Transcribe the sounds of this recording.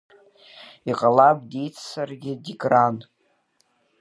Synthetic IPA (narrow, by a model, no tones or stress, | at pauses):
iqʼalabʼdejt͡sʰsarɡʲɪdikʼran